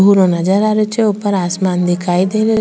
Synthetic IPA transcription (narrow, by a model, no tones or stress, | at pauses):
uɾonad͡ʒəɾaːɾet͡ʃeʊpəɾaːsmaːnd̪ɪkʰaːid̪eːɾe